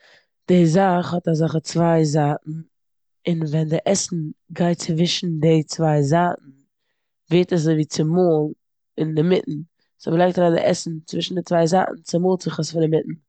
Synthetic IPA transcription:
d̥ɪzaχhɔtazaχət͡svaɪzaːʔn̩ | ɪnvɛndɪʔɛsn̩ɡaɪtt͡svɪʃn̩dɪt͡svaɪzaːʔn̩ | veɪtəs̬zoɪviːt͡sɪmoːlˠ | ɪndɪmɪʔn̩ | sɔbəlˠaɪktaɾaːndɪ̰ʔɛ̰sn̩t͡svɪʃn̩dɪt͡svaɪza̰ːʔn̩t͡sɪmoːlˠt͡sɪχəsfɪndɪmɪtn̩

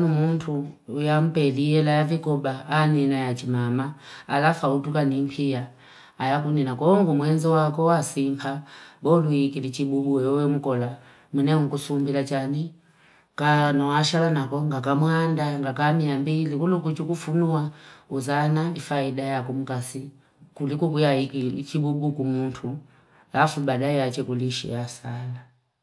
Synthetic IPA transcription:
numuntʰuːjamupɛlijɛlajavikɔbaːnɛnajat͡ʃimamaːlafautukanimpʰijaː | jakuninakɔŋɡumwɛnzɔwakɔwasimpʰabɔluikilit͡ʃiɓuɓuɛɔwɛmukɔla | munɛŋukusumbilat͡ʃani | kanɔwaʃalanakɔŋɡakamhandaŋɡakamiambilikulukut͡ʃukufunuauzanaifaidajakum̩kasi | kulikukujaikit͡ʃibubukumuntʰu | lafubaɗaɛat͡ʃɛkuliʃḭjasala

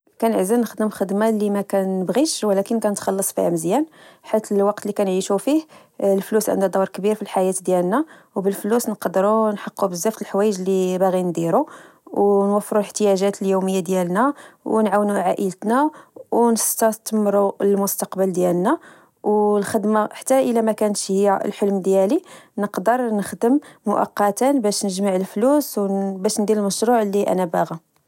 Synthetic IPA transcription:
kænəʕzənəxd̪əmxəd̪malimækænːəbɣiʃwəlækənkænət̪xɑlːɑsˤfḭhæmzjænħit̪ːəlwɑqt̪likænʕiʃufih | lflusʕə̰nd̪ud̪ˤɑwɾˤkbiɾfilħajæt̪d̪jælnæ | wbəlflusnqɑd̪ɾunħɑqːubəzːæft̪əlħwæjəʒlibæɣind̪iɾu | wnwæfːɾulħt̪əjæʒæt̪əljuməjːad̪jælnæwnʕawnuʕaʔələt̪næwnəst̪ɑt̪mɾuəlmʊst̪ɑqbəld̪jælnæ | wlxəd̪maħḁt̪ːæʔəlæmækænʃhəjːa̰lħəlmd̪jælinəqd̪əɾˤnəxd̪əmmʊʔɑ̰qːɑt̪ənbæʃnəʒmaʕəlfluswbæʃnd̪iɾəlməʃɾuʕlːiʔæ̰næbaɣi

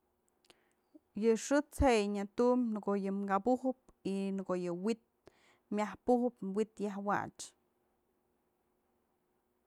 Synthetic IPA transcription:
jɨʂɨt͡shejɲat̪umnkojɨmɡabuhɨp̚inɨɡojɨwit̪̚ | mʲahpuhɨpwit̪jahwa̰t͡ʃ

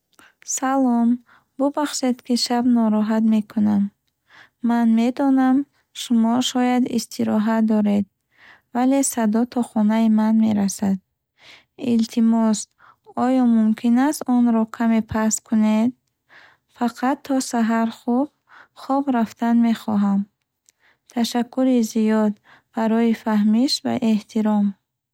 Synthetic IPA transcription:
salɔm | bubaχʃe̞d̪kʰiʃabnɔɾɔɦat̪me̞kʰunamː | anme̞d̪ɔnam | ʃumɔʃɔjad̪ist̪ʰiɾɔɦad̪ɔɾe̞d̪̚ | vale̞sad̪ɔt̪ʰɔχɔnaimanmeɾasad̪̚ | ilt̪ʰimɔs | ɔjɔmumkʰinast̪ɔnɾɔkʰame̞pʰaskʰuned̪̚ | faqʰat̪ʰːɔsaɦaɾχub̥̚ | χɔbɾaft̪anme̞χɔɦam | t̪ʰaʃakʰːuɾizijɔd̪ | b̥aɾɔifaɦmiʃva̰ʔe̞ht̪ʰiɾɔm

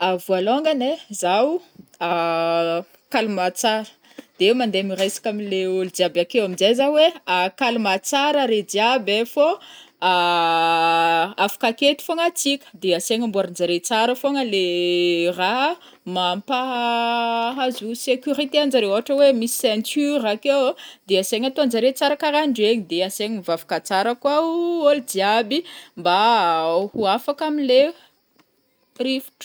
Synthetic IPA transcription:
avualoŋɡanezawua | kalumat͡saɾə̥ | d̪̥eewmand̪eamirajsḁkʲamileulid̪iabakewaminzajzaweakalumat͡saɾaɾed̪iabefoa | afḁkaket̪i̥foŋat͡sikʲə̥d̪easeŋəmbuaɾind͡ʒaɾet͡saɾəfoŋəle | ra | mampa | ɦazusekʲyɾit̪eanzaɾewaɦaʈ͡ʂəwemisi̥sɛnt͡syɾakewd̪easeŋat̪oand͡zaɾet͡saɾakaɾaɳɖ͡ʐeɲid̪easeŋiivavu̥kat͡saɾəkwauoldiabimbahuafakamile | rifu̥ʈ͡ʂ

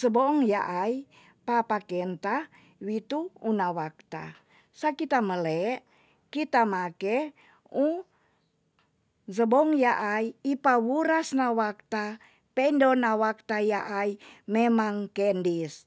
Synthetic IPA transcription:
zəbɔŋjaʔai | papakɛnt̪a | wit̪uunawak̚t̪a̰ | sakit̪aməlɛʔ | kit̪amakɛ | u | zəbɔŋjaʔaiipawuɾasnawak̚t̪a | pɛndonawak̚t̪ajaʔaimemaŋkɛndis

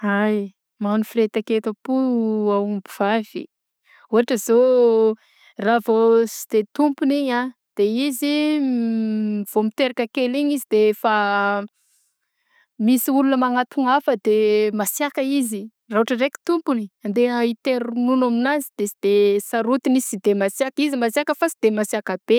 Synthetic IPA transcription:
aj | manufiret̪aket̪əpuaumbiv̥av̥ḭ | uaʈ͡ʂəzo | ravosid̪̥et̪umpuniɲa | d̪̥eizi | v̥omit̪eɾakʲəkeliɲizid̪efa | misiulunəmaŋat̪uŋafəd̪emasjakəizi | rauaʈ͡ʂəreki̥t̪umpuniand̪eit̪eɾununaminazid̪̥esid̪esaɾut̪inizsid̪emasiakizimasakəfasid̪emasiakab̥e

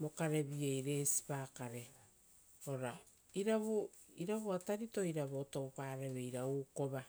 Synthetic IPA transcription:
mo̞kaɾe̞βiejɾe̞si̥paːkaɾe̞ | oɾa | iɾaβu | iɾaβuataɾito̞iɾaβoːtowpaːɾeβejɾauːko̞βa

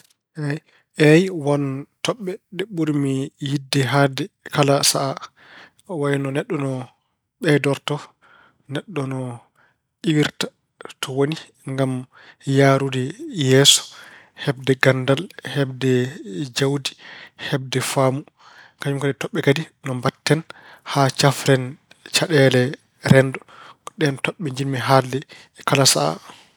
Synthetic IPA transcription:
ʔɛ | ʔɛjwɔntɔɓːɛɗɛɓuɾmijidːɛɦaːdɛkalasaʔa | waɛnɔnɛɗːɔnɔ | ɓɛdɔɾtɔ | nɛɗːɔnɔ | ʔiwiɾtḁ | tʰɔwoni | ŋɡam | jaɾudɛjɛsɔ̥ | hɛb̚dɛɡandalhɛbdɛd͡ʒawdi̥hɛb̚dɛfaːmu | kaɲumkadɛtɔɓːɛkadinɔmbatːɛn | hat͡ʃafɾɛn | t͡ʃaɗɛlɛ | ɾɛndɔɗɛntɔɓːɛɲd͡ʒinmɛɦalːɛ | kalasaa̰

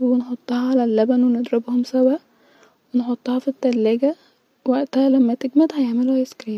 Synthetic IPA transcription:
wenħot̪ˤːɑhɑʕalælːæbænwened̪ˤɾebhomsæwæ | wenħot̪ˤːɑhɑfit̪ːælːæːɡæ | wæʔt̪æhælæmːæt̪eɡmæt̪hæjeʕmeluhæjeskɾiː

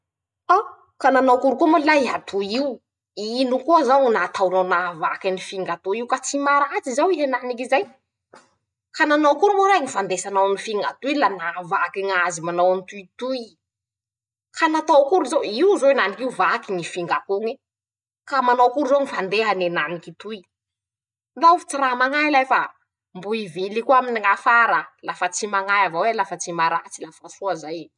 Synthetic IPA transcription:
a | kananawkuɾukumullaiɦat̪ʰuiw | inukuazawnat̪awnawnavakanifiŋɡat̪oiwkat͡simaɾat͡sizawiɦenanikizaj | kananowkuɾumoɾaŋifand̪esanawnifiŋɡat̪uilanavakiŋazimanawant̪uit̪ui | kanat̪owkuɾizowiwzowenanikiuvakiŋifiŋɡakuŋi | kamanowkuɾizoŋifand̪eɦanenanikit̪ui | nd̪aufi̥t͡siramaŋailajfa | mbuivilikuaminiŋafaɾəlafət͡simaŋajavawelafət͡simaɾat͡silafasuazaj

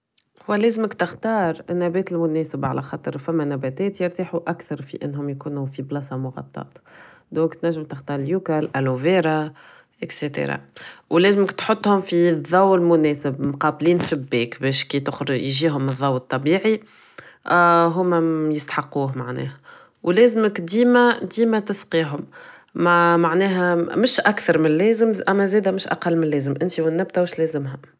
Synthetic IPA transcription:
hʊwælɛːzɪmɪkt̪ɪxt̪ɑːɾˤnːæbɛːt̪ɪlmʊnɛːsɪbʕa̰læxɑːt̪ˤəɾˤfæmːænæbɛːt̪ɛːt̪jɪɾˤt̪iħuʔækθɑɾˤfḭʔɪnːɦʊmjkuːnufiblɑsɑmʊɣɑ̰t̪ˤːɑ̰ːt̪ | d̪ɔ̃ːŋkt̪næʒːɪmt̪ɪxt̪ɑːɾˤɪljuːkalʔæloveːɾa | ʔɪkset̪ḛɾˤɑ̰wlɛːzmɪkt̪ħot̪ˤːhʊmfiðˤːɑwɪlmʊnɛːsɪbmqɑːbliːnsɪbːɛːkbɛːʃkit̪ʊxɾjʒiːɦʊmːðˤːɑwːt̪ˤːɑbiːʕi | ɦʊmːæjəst̪ħɑqːuːɦma̰ʕnɛ̰ːh | wlɛːzməkd̪iːmæd̪iːmæt̪ɪsqiːɦʊm | mæmaʕnɛːɦæmɪʃʔækθɑɾˤmɪnlɛːzəmʔæmːæzɛːd̪æmɪʃʔa̰qɑlːmɪnlɛːzəmʔɪnt̪iwɪnːæb̚t̪æwɪʃlɛːzɪmɦæ

